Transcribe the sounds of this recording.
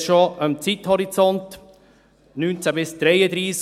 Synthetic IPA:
ʃɔəmt͡sit̪hɔɾit͡sɔnt̪ | nyːnt͡sæbɪsd̪̥ɾɛjəd̪ɾiːs

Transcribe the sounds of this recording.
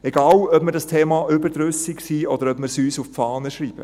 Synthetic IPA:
ɛɡɑːwœpməɾdɑstʰeːmɑʔʏbəɾdɾøsiksiːɔd̥̪əɾœpmɪɾsyːsuffɑːnəʃɾiːb̥ə̰

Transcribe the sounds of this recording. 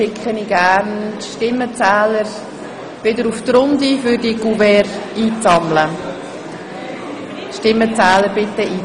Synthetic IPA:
ɪkʰχəniɡæːɾnʃtɪmːət͡sæːləɾ | ʋɪdəɾuft̪ɾʊnd̪ifʏɾdiɡ̥uvɛɾiːt͡sɑmlə | ʃtɪmːət͡sæːləɾbɪt̪ːəʔiː

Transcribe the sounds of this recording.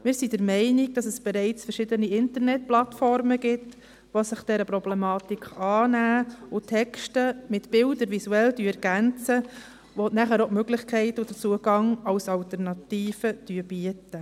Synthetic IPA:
mɪːɾsidəɾmɛɪniɡ̚d̥ɑsəsb̥ɛɾɛɪt͡sfəɾʃɪdəniɪntəɾnɛt̚plɑtfɔrməɡ̥ɪt | ʋosɪχd̥ɛɾəpɾɔblɛmɑːtikχɑːnæːʊtʰɛkʃtəmɪtb̥ɪldəɾʋisuɛld̥yɛɾɡ̥ænt͡sə | ʋonæχæɾomøɡlɪχkʰɛɪtʊd̥ət͡suəɡɑŋɑwsɑltəɾnɑtiːfəd̥yəb̥iətə

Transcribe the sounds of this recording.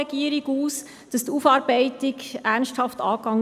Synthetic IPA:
ɛɡiəɾiɡuːs | d̥ɑstuːfɑːɾb̥ɛɪtɪɡænsthɑftɑ̰ːkɑŋ

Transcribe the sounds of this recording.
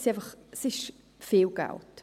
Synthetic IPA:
sɛvəχsɪʃ | feːwɡa̰wt

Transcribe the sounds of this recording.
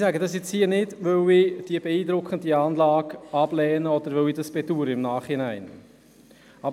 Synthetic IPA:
sæɡədɑsit͡shiːənɪdvøwɪd̥iːbeiːdɾʊkχəndiɑːnlɑːɡɑb̥lɛːnəɔd̥̪əɾʋœwidɑsb̥etuːɾəɪmnaːχɪnæɪn | ɑb

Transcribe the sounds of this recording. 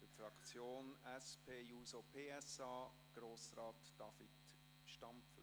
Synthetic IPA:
əfɾɑkt͡sjoːnɛspʰeːjuːsopʰeːɛsɑː | ɡ̥ɾoːsrɑːtd̥ɑfit | ʃtɑmf

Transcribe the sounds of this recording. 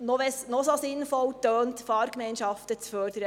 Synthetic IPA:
nɔʋɛsnɔsosɪnfɔltøːntfɑːɾkmɛɪnʃɑftət͡sfœɾd̥əɾə

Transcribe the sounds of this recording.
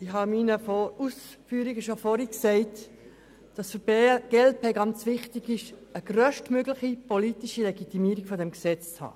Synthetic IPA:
ɪhɑminəfɔɾusfyːɾiɡəʃofɔɾiksɛɪt | d̥ɑsfəpeɡ̥ɛl̚pʰeːɡɑnt͡sʋɪχtiɡɪʃəɡ̥rœʃtmøɡlɪχipolitiʃilɛɡit̪imiːɾiɡ̥fɔdɛmksɛt͡st͡shɑ̰ː

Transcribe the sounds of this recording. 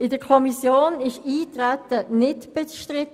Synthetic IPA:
ɪdəkʰɔmisjoːnɪʃiːtʁætənɪtb̥ɛt͡sʃtʁɪt

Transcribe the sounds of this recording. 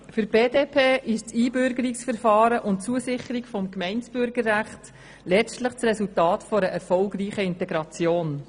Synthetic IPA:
fʏɾb̥eːdeːpʰeːɪʃt͡siːbʏɾɡəɾiksfɛɾfɑːɾəʔʊnt̚t͡suəsɪχəɾikfɔmkmɛɪnsb̥ʏɾɡərːæχt | lɛt͡stləχt͡srɛsultɑːtfɔɾəʔɛɾfɔlɡɾiːχəɪntɛɡɾɑt͡sjoːn

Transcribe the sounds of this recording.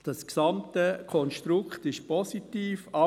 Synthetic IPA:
d̥ɑsksɑmtəkʰɔnʃtɾʊkχtɪʃpɔsitiːfɑ

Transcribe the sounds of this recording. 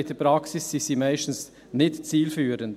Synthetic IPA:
ɪt̪əpɾɑksɪsːisimaɪʃtn̩s | nɪtt͡siːlfyːɾən

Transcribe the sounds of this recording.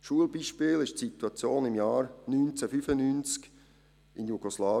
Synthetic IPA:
ʃuəlbiːʃpɪːlɪʃtsit̪uat͡sjoːnɪmjaːrnynt͡sɛfyfənyːnt͡sk | ɪnjuɡ̥oslaː

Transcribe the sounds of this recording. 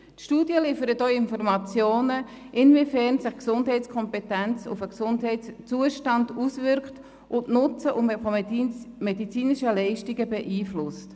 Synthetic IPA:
tʃtuːdjəlifəɾətoɪnfɔrmɑt͡sjoːnə | ʔɪnvifɛrnsɪχksʊnd̥ɦɛɪtskʰɔmpɛtænt͡sʊ̰fəksʊndɦɛɪtst͡suəʃtɑndusʋɪɾkχt | ʔʊntnʊt͡səʔʊmɪt | medit͡siːnɪʃəlɛɪʃtiɡəbɛʔiːflʊst

